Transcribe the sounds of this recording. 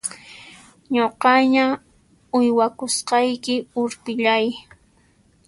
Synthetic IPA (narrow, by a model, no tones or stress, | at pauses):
ɲoqɑɲa | ʊjwakʊsqɑjkɪʊɾpɪʎaj